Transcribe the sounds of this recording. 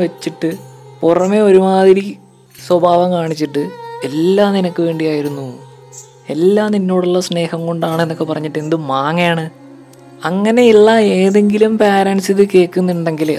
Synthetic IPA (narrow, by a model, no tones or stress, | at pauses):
ʋɐt͡ɕːiʈːɨpurɐme̞oɾumaːd̪ʱiɾi | swɐbʱaːʋɐmkaːɳit͡ɕːiʈːɨe̞lːaːninɐkːɨʋe̞ːɳɖijaːjiɾunːu | e̞lːaːninːo̞ːɽuɭːɐsne̞ːhɐmkoɳɖaːɳɨenːokːepɐrɐɲːiʈːend̪ɨmaːŋɐjaːɳɨ | ɐŋːɐne̞iɭːɐeːðe̞ŋɡilumpaːɾɐnsiðɨke̞ːkːunːiɳɖe̞ŋɡil